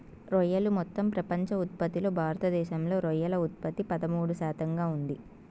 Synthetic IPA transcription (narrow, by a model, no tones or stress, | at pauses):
ɾɔjɐlumɔt̪ːɐmpɾɐpɐɲt͡ʃɐut̪̚pɐt̪ilo̞ːbʱaːɾɐt̪ɐd̪ɛːʃɐmlo̞ːɾɔjɐlɐut̪̚pɐt̪ːipɐd̪ɐmuːɽuʃaːt̪ɐŋɡaːund̪i